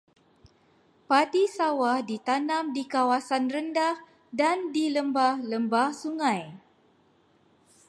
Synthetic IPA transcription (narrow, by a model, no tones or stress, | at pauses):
padisawahdit̪anãmdikawasanrəndah | dandiləmbahləmbahsuŋãj